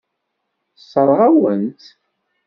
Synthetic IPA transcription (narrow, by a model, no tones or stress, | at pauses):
sˤːəɾˤʁawənt̪